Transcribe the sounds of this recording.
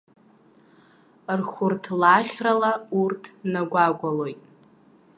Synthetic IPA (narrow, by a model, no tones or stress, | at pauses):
rχʷʊrtʰlaχʲralaurtʰnaɡʷaɡʷalo̞jtʼ